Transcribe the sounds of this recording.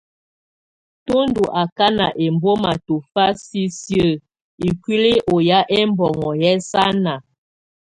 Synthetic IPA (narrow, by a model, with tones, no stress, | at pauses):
to˦ndu˨ʔa˨ka˦na˨ʔe˨mbo˦ma˨to˨fa˦si˦sjə˦˨ | i˨kwi˦li˦ʔo˨ja˦ʔɛ˦mbɔ˨ŋɔ˨jɛ˦sa˦na˨